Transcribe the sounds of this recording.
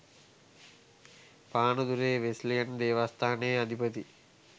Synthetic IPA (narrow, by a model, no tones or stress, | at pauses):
paːnud̪uɾeːʋeslijɐnd̪eːʋast̪ʰaːnejɐd̪ʱipət̪i